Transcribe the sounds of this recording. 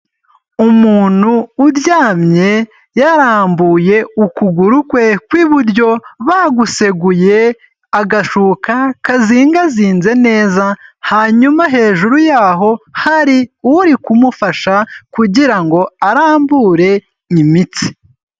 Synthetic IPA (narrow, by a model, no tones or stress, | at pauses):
umuːn̥uːɾjaːmɲe̞ | jaɾaːmbuje̞ukuɡuɾukwe̞kwiːβuɾɟo̞βaɡuse̞ɡuje̞ | aɡaʃuːkakaziːŋɡaziːnze̞ne̞ːzahaːɲumaɦe̞ːʒuɾujaːɦo̞haɾiuɾikumufaʃakuɟiɾaŋɡo̞aɾaːmbuɾe̞ | nimit͡si̥